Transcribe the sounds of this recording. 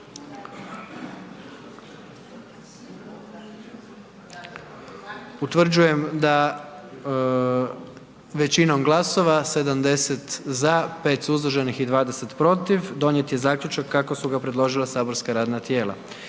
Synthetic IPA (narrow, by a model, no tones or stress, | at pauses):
ut̪ʋr̩d͡ʑuje̞md̪a | ʋe̞t͡ɕino̞mɡlˠaso̞ʋase̞d̪amd̪e̞set̪zape̞ːt̪suzloʒenixid̪ʋaːd̪e̞se̞t̪pɾo̞t̪iʋd̪o̞nje̞t̪je̞zaːkʎʲut͡ʃakːako̞suɡapɾe̞d̪lˠo̞ʒilˠasaːbo̞ɾskaɾaːd̪nat̪je̞ːlˠa̰